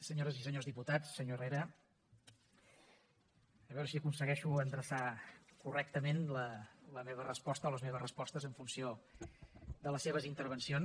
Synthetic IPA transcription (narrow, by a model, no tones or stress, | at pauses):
səɲoɾəzisəɲozðiput̪at͡sːəɲoreɾə | əβɛwɾəsiəkunsəɣɛʃuənd̪ɾəsakurɛk̚t̪əmenlələmeβərəspɔst̪əɔləzmeβ̞əzrəspɔst̪əzəɱfunsio | d̪ələseβ̞əzint̪əɾβ̞ənsion